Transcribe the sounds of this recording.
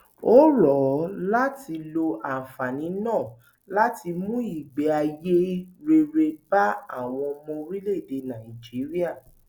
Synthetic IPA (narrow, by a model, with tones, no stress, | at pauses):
o˦ɾɔ˨la˦ti˧lo˧ʔa˨fa˨nĩ˨˦nãː˦˨ | la˦ti˧mũ˦i˦˨ɡ͡bɛ˨a˧je˦ɾe˧ɾe˧ba˦a̰˦˨w̃ɔ̃˧mɔ̃˧ɾi˦le˦˨de˨˧nã˨i˨d͡ʒi˨˦ɾi˦a˦˨